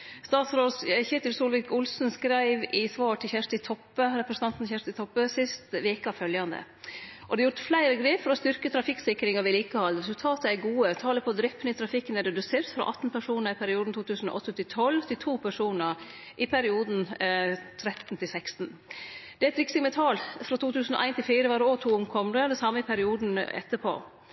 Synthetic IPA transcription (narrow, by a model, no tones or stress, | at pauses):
st̪ɑːt̪sɾoːd̪sçeːt̪ɪlsuːlʋɪkʊlsn̩skɾæɪʋɪsʋɑːʈʰɪlçæʂt̪ɪt̪ʰɔpːəɾɛpɾəsn̩ɑnt̪nçæʂt̪ɪt̪ʰɔpːəsɪst̪ʋeːkəɑʋfœljɑnd̪ə̰ | ʔɔd̪ɛjʊɾt̪flæɪɾəɡɾeːfɔɾɔst̪ʏɾkət̪ʰɾɑfɪksɪkɾɪŋɑɾʋɪliːkəhɑːɾɛsʉlt̪ʰɑːt̪əæɾɡuːət̪ʰɑːləpʰɔd̪ɾɪpːnɪt̪ʰɾɑfɪkːənɛɾɛd̪ʉseːɾt̪fɾɑ̰ʔɑt̪ːn̩pʰæʂuːnəɾɪpʰæɾɪuːd̪n̩t̪ʰuːt̪ʰʉːsn̩ɔ̰ʔɔt̪ʰːət̪ʰɪt̪ʰɔlːt̪ʰɪlt̪ʰuːpʰæʂuːnəɾ | ʔɪpʰæɾɪuːd̪n̩t̪ʰɾɛt̪n̩t̪ʰɪlsɛkst̪n̩d̪ɛæɛt̪ɾɪksɪmɛt̪ʰɑːlfɾɑt̪ʰuːt̪ʰʉːsn̩ɔ̰ʔæɪnt̪ɪlfiːɾəʋɑːɾot̪ʰuːʊmkʰɔmd̪əd̪ɛnsɑməɪpʰæɾɪuːd̪n̩ɛ̰t̪ːəpʰo̰ː